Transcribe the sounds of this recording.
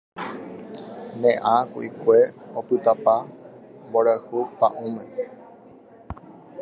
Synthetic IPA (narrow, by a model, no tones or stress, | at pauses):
nẽʔãkṵikʷe̞opɨt̪apamboɾahupa̰ʔõmẽ